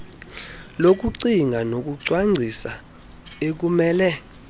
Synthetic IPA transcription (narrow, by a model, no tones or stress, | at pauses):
lok̬ʼuǀiŋɡʱanok̬ʼuǀwaŋ͡ǀʱisa | ek̬umɛːlɛ